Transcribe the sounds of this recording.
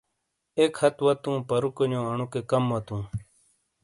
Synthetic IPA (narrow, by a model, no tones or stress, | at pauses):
ekhɐt̪wɐt̪ũːpɐɾukɐɲõːɐɳukekɐmːɐt̪ũː